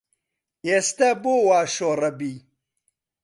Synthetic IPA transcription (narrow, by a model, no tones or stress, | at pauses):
est̪aboːwaːʃoːɾɐbiː